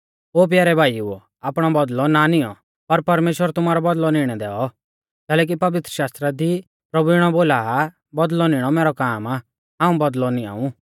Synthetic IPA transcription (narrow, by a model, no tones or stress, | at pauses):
oːp̬jaːɾɛbʱaːiṵ | aːpɽ̃ɔbɐd̪lɔnanɪɔ̰ | pɐɾpɐɾmeːʃwəɾt̪ʊmaːɾɔbɐd̪lɔnɪɽ̃ɛd̪ɛːɔ | kɛːlɛːk̬ipɐʋɪt̪ɾəʃaːst̪ɾad̪i | pɾɐbuɪɽ̃ɔboːla | bɐd̪lɔnɪɽ̃ɔmɛːɾɔkaːma | ɦãːũbɐd̪lɔnĩa̰ːũ